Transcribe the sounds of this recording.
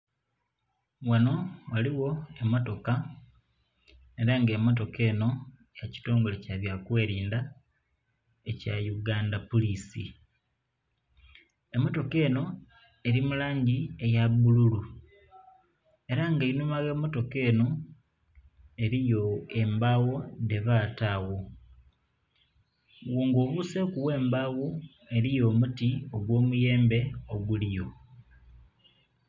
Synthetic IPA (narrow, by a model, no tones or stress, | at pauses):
wano̞waliwo̞emoto̞ka | e̞ɾaŋɡe̞ːmːot̬o̞ke̞ːno̞ | jaci̥to̞ːŋɡole̞caβjakweːɾiːnda | e̞cajuɡaːndapulisḭ | e̞mːo̞to̞ke̞ːno̞ | e̞ɾimulaːɲɟie̞jaβululu | e̞ɾaŋɡainumaɣe̞ːmo̞to̞ke̞ːno̞ | e̞ɾijo̞e̞mbawo̞de̞βataɣo̞ | woːŋɡoːβuse̞kuwe̞ːmbawo | e̞ɾijo̞ːmutioɡwo̞ːmuje̞ːmbe̞oɡulijo̞